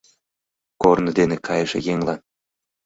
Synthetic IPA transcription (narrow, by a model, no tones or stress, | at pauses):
kornə̆d̪enekʰɑjəʒḛjeŋlɑn